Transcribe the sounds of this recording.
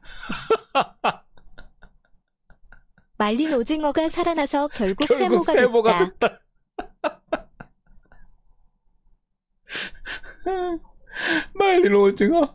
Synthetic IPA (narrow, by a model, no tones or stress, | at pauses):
maʎːinod͡ʑiŋʌɡasʰaɾanasʰʌkjʌɭɡuk̚s͈ʰeɡboɡaseboɡaaet̚t͈a | maɭːinod͡ʑiŋʌ